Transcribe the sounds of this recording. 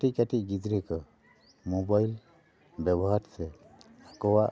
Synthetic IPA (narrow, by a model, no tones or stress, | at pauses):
ʈiʔkaʈiɡid͡ʒɾikɔ | mɔbajl | bɛbɔɦaɾsɛ | akɔwaʔ